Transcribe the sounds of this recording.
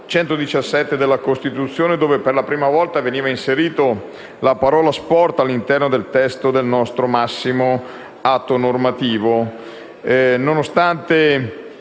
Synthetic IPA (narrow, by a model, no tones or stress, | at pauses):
t͡ʃɛnt̪od̪it͡ʃasːɛt̪ːed̪elːakost̪it̪ut̪sːjoːned̪oːveperlapɾiːmavɔlt̪aveniːvainseɾiːt̪o | lapaɾɔːlaspɔrt̪alːint̪ɛrnod̪elt̪ɛst̪od̪elnɔst̪ɾomasːimo | at̪ːonormat̪iːvo | nonost̪ant̪e